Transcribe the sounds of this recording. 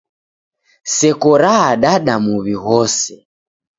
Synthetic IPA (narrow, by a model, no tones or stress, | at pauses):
sɛkɔɾaːɗaɗamuβiɣɔsɛ